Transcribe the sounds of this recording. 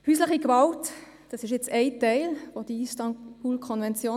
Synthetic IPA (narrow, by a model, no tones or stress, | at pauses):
hyːslɪχiɡvɑlt | d̥ɑsɪʃjɛt͡sɛɪtɛɪlʋod̥iistɑnb̥uːlkʰɔnvɛnt͡sjoː